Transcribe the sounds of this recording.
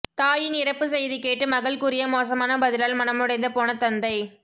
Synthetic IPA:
t̪aːjɪnɪɾɐpːɯsɛjðikeːʈːɯmɐɣɐɭkuɾɪjɐmoːs̬ɐmaːnɐbɐðɪlaːlmɐnɐmɯɽɐɪnd̪ɐpoːnɐt̪ɐnd̪ɐɪ

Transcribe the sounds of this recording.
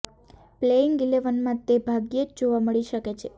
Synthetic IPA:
pleɪŋɡɡileʋənmãt̪ebʱaɡjed͡ʒd͡ʒoʋaməɭiʃəket͡ʃʰe

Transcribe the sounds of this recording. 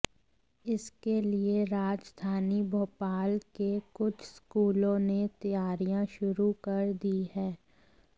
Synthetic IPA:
ɪskelieɾaːd͡ʒd̪ʱaːnibʱoːpaːlkekʊt͡ʃʰskuːlõnet̪ɐjaːɾijãʃʊɾukɐɾd̪iɦɛː

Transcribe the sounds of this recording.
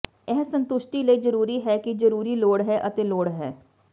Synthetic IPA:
ɛɦsə̃nt̪ʊʃʈiləid͡ʒəɾuːɾiɦɛːkid͡ʒəɾuːɾiloːɽɦɛʔɐt̪eloːɽɦɛː

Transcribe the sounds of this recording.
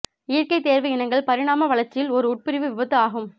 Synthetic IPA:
ɪɪɾkɐɪt̪ːeːɾʋɐɪnɐŋɡɐɭpɐɾɪɽaːmɐʋɐɭɐɾt͡ʃːɪɪlɔɾɯʊʈ̚pɪɾɪʋɯʋɪbɐt̪ːɯaːɣɯm

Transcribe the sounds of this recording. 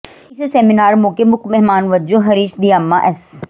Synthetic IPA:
ɪsesɛːminaːɾmoːkemʊkmɛɦmaːnʋɐd͡ʒoɦɐɾiːʃd̪ijaːmːaʔɛs

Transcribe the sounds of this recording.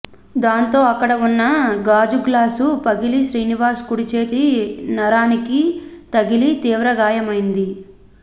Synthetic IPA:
d̪aːnt̪o̞ːɐkːɐɽɐunːɐɡaːd͡ʒuɡlaːsupɐɡiliʃɾiːniʋaːskuɽit͡ʃe̞ːt̪inɐɾaːnikit̪ɐɡilit̪iːʋɾɐɡaːjɐmɐjind̪i

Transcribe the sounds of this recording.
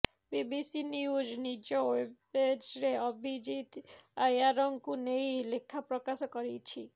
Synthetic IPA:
bibisiniud͡ʒnid͡ʒoebed͡ʒɾeobʱid͡ʒit̪ajaɾɔŋkunejlekʰːapɾokaʃokoɾit͡ʃʰi

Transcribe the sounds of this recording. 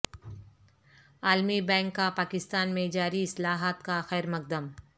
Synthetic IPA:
aːlmibɛ̃ːŋkːapaːkɪst̪aːnmẽd͡ʒaːɾiɪslaːɦaːt̪kaxɛːɾmɐk̚d̪əm

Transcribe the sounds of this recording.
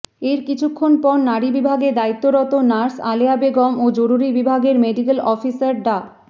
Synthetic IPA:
eɾkit͡ɕʰukʰːonpɔɾnaɾibibʱaɡed̪ait̪ːoɾɔt̪onaɾsaleabeɡɔmod͡ʑoɾuɾibibʱaɡeɾmeɖik̬elɔfisaɾɖa

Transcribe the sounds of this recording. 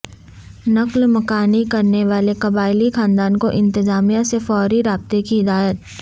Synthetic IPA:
nɐklmɐkaːnikɐɾneʋaːlekɐbaːɪlixãːnd̪aːnkoʔɪ̃nt̪ɪzaːmijasefɔːɾiɾaːb̚t̪ekiɦɪd̪aːjət̪̚

